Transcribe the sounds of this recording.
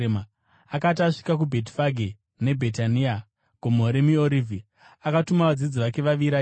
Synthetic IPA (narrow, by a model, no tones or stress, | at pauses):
ma | akat̬aʂi̥kakubʱe̞ti̥faɡʱe | ne̞bʱetania | ɡ̥ʱomoɾemioɾivʱi | akatumaʋad͡zid͡ziʋake̞ʋaʋiɾa